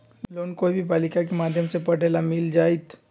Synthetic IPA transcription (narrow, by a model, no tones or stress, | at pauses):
loːnkoːibʱibaːlɪkakemaːd̪ʱjəmsepɐʈeːlamɪld͡ʒaːit̪ʰ